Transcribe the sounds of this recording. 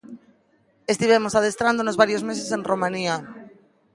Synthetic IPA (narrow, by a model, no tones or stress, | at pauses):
est̪iβ̞emosaðest̪ɾand̪onozβaɾjozmesesẽnromãnia